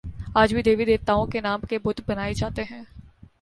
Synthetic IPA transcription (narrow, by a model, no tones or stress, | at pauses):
aːd͡ʒbʱid̪eːʋid̪eːt̪aːõkenaːmkebʊd̪ʱbɐnaːed͡ʒaːt̪eɦɛ̃ː